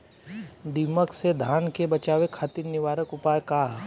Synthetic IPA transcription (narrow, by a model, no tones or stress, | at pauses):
d̪iməksed̪ʱaːnkebɐt͡ʃaːʋekʰaːt̪iɾnɪʋaːɾəkʊpaːjkaː